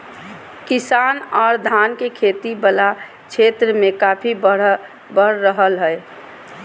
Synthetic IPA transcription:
kisaːnɔːɾd̪ʱaːnkekʰet̪ibəla | t͡ʃʰet̪ɾəmẽkaːpʰi | bəɽːəɦəlɦəe

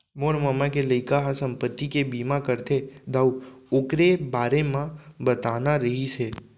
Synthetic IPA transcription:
moɾməmakeləjkaɦasəmpət̪ːikebimãkəɾt̪ʰed̪auokɾebaɾemãbət̪anaɾəɦit͡ʃʰe

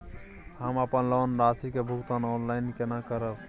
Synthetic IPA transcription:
həməpənlənɾasikebʱukt̪anɔnlajnkenakəɾəb

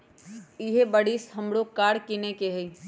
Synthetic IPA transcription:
iɦebəɽisɦəmɽokaɽkinekeɦəi

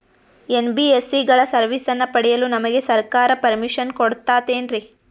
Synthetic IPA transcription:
enbiesiɡɐɭɐsɐɾʋisɐnːɐpɐɽɛjɐlunɐmɐɡe̞sɐɾkaːɾɐpɐɾmiʂɐnkoɽt̪aːt̪eːnɾi

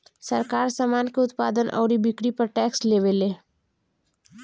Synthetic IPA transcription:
səɾkaːɾsamaːnkeʊt̪paːd̪ənʔɔ̰ːɾibɪkɽipɐɾʈɛːksleːʋeleː

